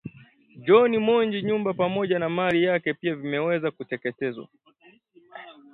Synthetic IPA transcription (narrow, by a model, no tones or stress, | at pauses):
d͡ʒɔnimɔɲd͡ʒiɲumbapamɔʄanamalijakɛpiavimɛwɛzakutɛkɛtɛzwa̰